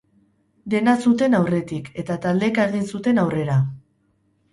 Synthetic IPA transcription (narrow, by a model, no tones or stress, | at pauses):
d̪e̞nasut̪e̞nawre̞t̪ike̞t̪at̪ald̪e̞kaɾɣinsut̪e̞nawre̞ɾa